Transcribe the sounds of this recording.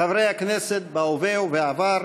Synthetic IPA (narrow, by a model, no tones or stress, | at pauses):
avɾeakneset̪̚bawvewveavaɾ